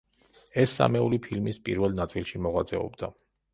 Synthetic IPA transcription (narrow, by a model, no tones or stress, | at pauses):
ɛsːa̰mɛulipʰilmispʼḭɾvɛlˠnat̪sʼilˠʃimɔʁwat̪sʼɛɔ̰bd̪a